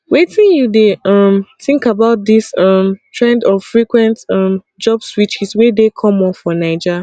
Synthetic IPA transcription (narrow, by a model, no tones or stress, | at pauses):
wetĩnjudeʌmθĩŋkabaʊt̚disʌmtʰɹɛ̃ndɔv̥fɹikwɛ̃ntʌm | d͡ʒɔbswit͡ʃizwɛdekʰɔ̃mɔ̃nfɔnaɪd͡ʒa